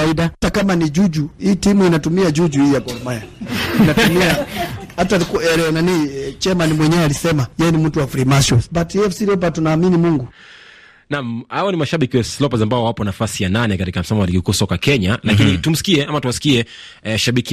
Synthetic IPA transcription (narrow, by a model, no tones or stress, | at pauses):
aiɗatakamanid͡ʒud͡ʒuhiːtimuinatumiad͡ʒud͡ʒuhiːjakɔlɔmajainatumiahatalikuɛlɛɔnaniit͡ʃɛmanimwɛɲɛwɛalisɛmajɛnimm̩tuwaflimaʃɔbatiɛfsiɾiɔp̬atunaːminimuŋɡu | namhawɔnimaʃaɓikiwaslɔpazambaɔwapɔnafasijananɛkatikam̩samawalikikuːsɔkakɛɲalakinitum̩si̥kiɛʔamatuwasi̥kiɛ | ʃaɓiki